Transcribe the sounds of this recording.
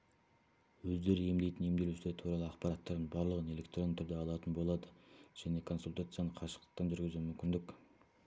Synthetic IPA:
wɵzd̪e̞ɾɪje̞md̪e̞jt̪ɪnje̞md̪e̞luslet̪ʰuɾɑlˠəɑqpɑɾɑt̪ːɑɾd̪ənbɑɾlˠəʁəne̞lʲe̞k̚t̪ro̞nt̪ʰʏɾd̪e̞ɑlˠɑt̪ənbo̞lˠɑd̪əʒ̥æne̞kʰo̞nsulʲt̪at̪sɨjanəɴqʰɑʃə̥q̚t̪əq̚t̪ːɑnʒʏɾɡʲɪzumʏmkʲɪnd̪ɪkʲ

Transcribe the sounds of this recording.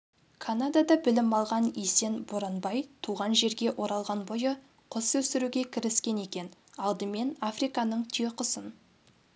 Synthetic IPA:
kʰanad̪ad̪ɑbɪlɪmɑlˠʁɑnise̞nboɾanbɑjt̪ʰuʁɑnʒe̞ɾɡʲe̞ʔo̞ɾɑlˠʁɑnbo̞jə | qʰʊswɵsɪɾuɡʲe̞kʲʰɪɾɪskʲe̞ne̞kʲe̞n | ɑlˠd̪əme̞nafrijkɑnəɴt̪ʰijəqʊsən

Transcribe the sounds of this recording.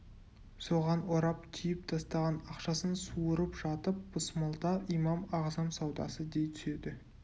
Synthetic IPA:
so̞ʁɑnwoɾɑpt̪ʲʰʏjɪpt̪ʰɑst̪ɑʁɑnɑqʃɑsənsuəɾəpʒ̥ɑt̪əp̚b̥ʊsmɑlˠd̪ɑʔijmɑmɑʁzɑmsɑwd̪ɑ̰səd̪e̞jt̪ʰʏ̥se̞d̪ɪ

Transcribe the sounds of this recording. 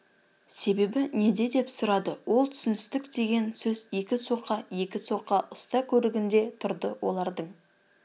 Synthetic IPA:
se̞be̞bɪne̞d̪e̞d̪e̞psʊɾɑd̪əwo̞lˠt̪ʰʏ̥sɪnɪst̪ɪkd̪e̞ɡʲe̞nsɵze̞kʲɪso̞qːɑje̞kʲɪso̞qːɑʔʊst̪ɑkʲʰɵɾɪɡʲɪnd̪e̞t̪ʰʊɾd̪əwo̞lˠɑɾd̪əɴ

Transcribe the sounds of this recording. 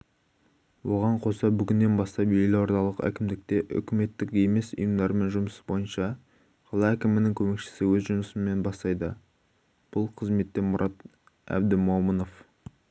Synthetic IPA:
wo̞ʁɑɴqʰo̞sɑbʏɡʲɪnːe̞nbɑst̪ɑpjelɪwo̞ɾt̪ɑlˠəqæ̰kʲɪmd̪ɪk̚t̪e̞ʔʏ̰kʲɪme̞t̪ːɪkje̞me̞sʊ̰jəmd̪ɑɾme̞nʒʊməsə̥bo̞jənʃɑ | qʰɑlˠɑækʲɪmɪnɪŋkʲʰɵme̞kʃɪ̥sɪwɵzʒʊməsəme̞nbɑst̪ɑjd̪ə | b̥ʊlˠqʰəzme̞t̪ːe̞mʊɾʔɑt̪ | æ̰b̚d̪ɪmoməno̞f

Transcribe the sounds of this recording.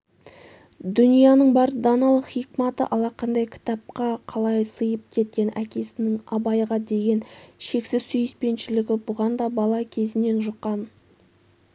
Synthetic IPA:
d̪ʏnijɑnəɴbɑɾd̪ɑnɑlˠəχijkmɑt̪ə̰ʔɑlˠɑqʰɑnd̪ɑjkʲʰɪ̥t̪ɑp̚qɑqʰɑlˠɑjsəjəp̚kʲʰe̞t̪̚kʲe̞nʔækʲe̞sɪnɪŋɑbɑjʁɑd̪e̞ɡʲe̞nʃe̞ksɪz̥sʏjɪspe̞nʃɪlɪɡʲɪbʊʁɑnd̪ɑbɑlˠɑkʲʰe̞zɪne̞nʒʊqːɑn

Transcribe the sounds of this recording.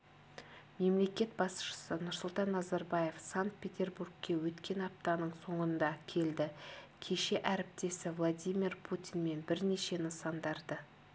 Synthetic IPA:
me̞mle̞kʲe̞t̪̚bɑsʃə̥sənʊɾsʊlˠt̪ɑnːɑzɑɾbɑje̞fsaŋkt̪̚pʲe̞t̪ʲe̞rburɡkʲːe̞wɵt̪kʲe̞nɑp̚t̪ɑnəɴso̞ɴənd̪ɑkʲʰe̞ld̪ɪkʲʰe̞ʃe̞ʔæɾɪp̚t̪e̞sɪvlˠad̪ʲijmʲirpʰut̪ʲijnme̞nbɪɾne̞ʃe̞nəsɑnd̪ɑɾd̪ə

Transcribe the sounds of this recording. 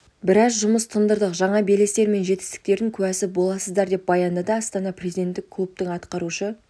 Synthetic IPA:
bɪɾɑzʒʊməst̪ʰənd̪əɾd̪əqʒɑɴɑbelest̪e̞ɾme̞nʒe̞t̪ɪ̥st̪ɪ̥k̚t̪e̞ɾd̪ɪŋkʲʰʉæsɪbo̞lˠɑsəzd̪ɑɾd̪e̞p̚bɑjɑnd̪əd̪əɑst̪ɑnɑprʲezʲid̪ʲe̞nt̪ːɪkʰːlˠup̚t̪əɴɑt̪qɑɾuʃə

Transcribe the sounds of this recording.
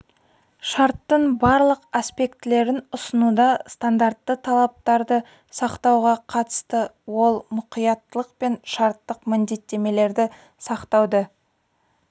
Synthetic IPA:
ʃɑɾt̪ːəɴbɑɾlˠəqaspe̞kt̪ɪle̞ɾɪnʊsənud̪ɑst̪and̪aɾt̪ːət̪ʰɑlˠɑp̚t̪ɑɾd̪ə | sɑqt̪ɑwʁɑqʰɑt̪ə̥st̪əwo̞lˠmʊqijɑt̪ːəlˠəqpe̞nʃɑɾt̪ːəqmɪnd̪e̞t̪ːe̞me̞le̞ɾd̪ɪ | sɑqt̪ɑwd̪ə

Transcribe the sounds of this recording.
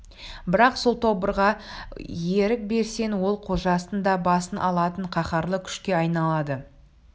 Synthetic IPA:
bɪɾɑqsolˠt̪ʰo̞bəɾʁɑjeɾɪk̚be̞ɾse̞nwo̞lˠqʰo̞ʒɑsənd̪ɑbɑsənʔɑ̰lˠɑt̪əɴqʰɑχɑɾlˠəkʲʰʏ̥ʃkʲe̞ɑjnɑlˠɑd̪ə

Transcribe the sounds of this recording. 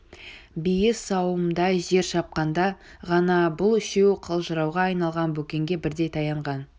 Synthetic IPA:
bijəsɑwəmd̪ɑjʒe̞ɾʃɑp̚qɑnd̪ɑʁɑnɑbʊlˠʏʃe̞wqʰəlˠʒəɾɑwʁɑːjnɑlˠʁɑnbɵkʲe̞ŋɡʲe̞bɪɾd̪e̞jt̪ʰɑjɑɴʁɑn

